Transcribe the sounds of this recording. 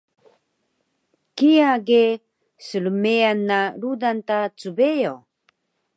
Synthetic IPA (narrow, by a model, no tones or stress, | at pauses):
kijaɡe | səɭumeanːaɾudantat͡subejo